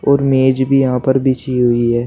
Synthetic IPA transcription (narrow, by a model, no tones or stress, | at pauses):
ɔːɾmeːd͡ʒbʱijɐɦãpɐɾbɪt͡ʃiɦʊiɦɛː